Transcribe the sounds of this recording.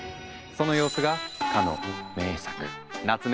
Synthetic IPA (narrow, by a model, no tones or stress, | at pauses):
so̞no̞jo̞ːsɨɡakʰano̰me̞ːsḁkɯ̟ | nat͡sɨn